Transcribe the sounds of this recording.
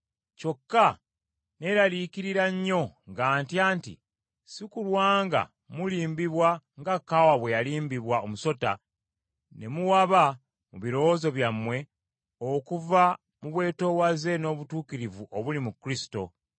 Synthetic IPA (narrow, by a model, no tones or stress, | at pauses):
co̞kːa | ne̞ɾalikiɾiɾaɲːo̞ŋɡaːntjaːntḭ | sikulwaːŋɡa̰ | muliːmbiβwaŋɡakːawaβwe̞jaliːmbiβwaomuso̞ta | ne̞muwaβa | muβiɾo̞wozo̞βjamwe̞ | okuva | muβwe̞ːto̞ːwaze̞no̞ːβutuːkiɾivuʔoβulimukɾisi̥to̞̰